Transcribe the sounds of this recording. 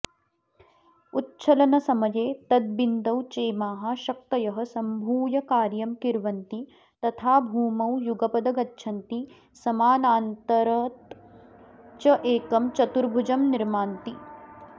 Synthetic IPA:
utːt͡ʃʰɐlɐnɐsɐmɐjeːt̪ɐd̪̚bind̪ɐwt͡ʃeːmaːɦɐ̆ʃɐk̚t̪ɐjɐɦɐsɐmbʱuːjɐkaːɾjɐmkiɾʋɐnt̪i | t̪ɐt̪ʰaːbʱuːmɐwjuɡɐpɐd̪ɐɡɐtːʃʰɐnt̪i | sɐmaːnaːnt̪ɐɾɐt̪ | t͡ʃɐʔeːkɐmt͡ʃɐt̪uɾbʱud͡ʒɐmniɾmaːnt̪i

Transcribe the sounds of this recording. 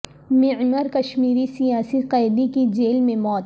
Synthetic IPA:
mɪʕməɾkɐʃmiːɾisijaːsiqaːd̪ikid͡ʒeːlmẽmɔːt̪

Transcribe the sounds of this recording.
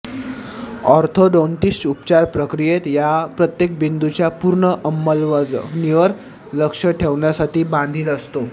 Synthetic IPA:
ɔɾt̪ʰoɖɔɳʈisʈupt͡ɕaɾpɾəkɾijet̪japɾət̪jek̚bind̪ʱut͡ɕjapuɾɳəʔəmːəlʋəd͡zniʋəɾ | ləkʂəʈʰeʋɳjasaʈʰiːbãnd̪ʱiːləst̪o

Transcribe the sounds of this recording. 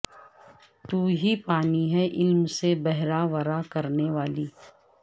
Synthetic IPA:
t̪uːɦipaːniɦɛʔɪlmsebɛɦɾaʋəɾakɐɾneʋaːliː

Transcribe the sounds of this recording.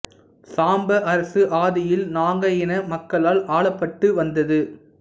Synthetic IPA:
saːmbɐʔɐɾɐsɯʔaːðɪjɪlnaːŋɡɐjɪnɐmɐkːɐɭaːlʔaːɭɐpːɐʈːɯʋɐnd̪ɐðɯ

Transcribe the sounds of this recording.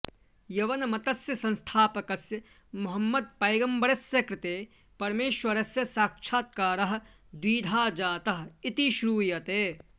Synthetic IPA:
jɐʋɐnɐmɐt̪ɐsjɐsɐ̃nst̪ʰaːpɐkɐsjɐ | mʊɦɐmːɐd̪̚pɐjɡɐmbɐɾɐsjɐkɾɪt̪eː | pɐɾmeːʃwɐɾɐsjɐsaːkʃʰaːt̪̚kaːɾɐɦ̆ | d̪wiːd̪ʱaːd͡ʒaːt̪ɐɦit̪iʃɾuːjɐt̪eː

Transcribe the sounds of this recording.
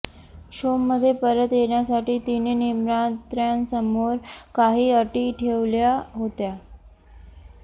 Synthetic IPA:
ɕomːəd̪ʱːjepəɾət̪jeɳjasaʈiːt̪inenimɾat̪ɾjansəmoɾkaɦiːəʈiːʈʰeʋljaɦot̪ja

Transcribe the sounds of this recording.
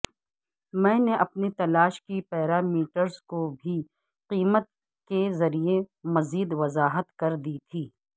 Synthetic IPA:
mɛ̃ːneʔɐpnet̪ɐlaːʃkipɛːɾaːmiːʈəɾzkobʱi | qiːmət̪̚ | kezɐɾiemɐziːd̪ʋɐzaːɦət̪kɐɾd̪it̪ʰiː

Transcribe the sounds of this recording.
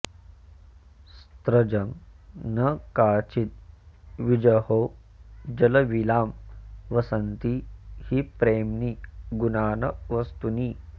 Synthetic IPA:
st̪ɾɐd͡ʒɐŋnɐkaːt͡ʃit̪̚ʋid͡ʒɐhoː | d͡ʒɐlɐʋilaːmʋɐsɐnt̪ihipɾeːmniɡunaːnɐʋɐst̪uniː

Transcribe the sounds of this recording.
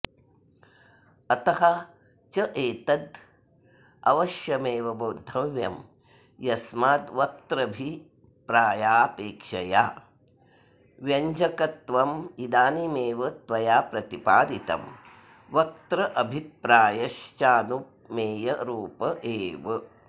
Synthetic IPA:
ɐt̪ɐɦɐ | t͡ʃɐʔeːt̪ɐd̪ | ɐ̰ʋɐʃjɐmeːʋɐboːd̪ʱɐmjɐ̰m | jɐsmaːd̪ʋɐk̚t̪ɾɐbʱi | pɾaːjaːpeːkʂɐjaː | ʋjɐɲd͡ʒɐkɐt̪ʋɐmid̪aːnimeːʋɐt̪ʋɐjaːpɾɐt̪ipaːd̪it̪ɐ̰m | ʋɐk̚t̪ɾɐʔɐbʱipɾaːjɐʃt͡ʃaːnu | meːjɐɾuːpɐʔeːʋɐ

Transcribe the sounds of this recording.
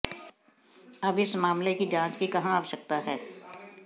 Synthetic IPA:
ɐbɪsmaːmlekid͡ʒãːt͡ʃkikɐɦãəʋʃək̚t̪aɦɛː

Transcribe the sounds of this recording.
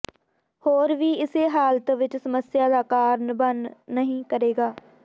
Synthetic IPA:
hoːɾʋiːɪseːɦaːlt̪ʋɪt͡ʃsəməsjaːd̪aːkaːɾnbənnəɦĩːkəɾeːɡaː

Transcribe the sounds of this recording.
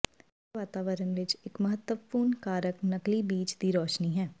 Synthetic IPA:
ʋaːt̪aːʋəɾənʋɪt͡ʃɪkmɐɦət̪əpuːnkaːɾəknɐklibiːt͡ʃd̪iɾɔːʃniɦɛː

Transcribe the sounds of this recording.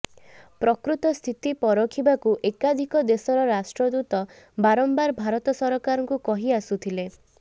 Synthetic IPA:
pɾɔkɾut̪ɔst̪ʰit̪ipɔɾɔkʰibakuʔekad̪ʱikɔd̪esɔɾɔɾasʈɾɔd̪ut̪ɔ | baɾɔmbaɾbʱaɾɔt̪ɔsɔɾɔkaɾɔŋkukɔɦiasut̪ʰile

